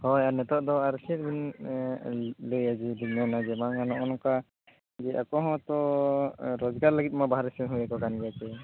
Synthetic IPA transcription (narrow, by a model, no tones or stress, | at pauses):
hɔjanɛt̪ɔʔd̪ɔaɾsɛɾbin | ləjad͡ʒid̪inɔnad͡ʒɛmaŋanɔʔɔnɔka | d͡ʒɛʔa̰kɔɦɔ̃t̪ɔ | ɾɔd͡ʒɡaɾləɡit̪̚mabaɦaɾɛsɛnɦujakɔkanɡɛat͡ʃɛ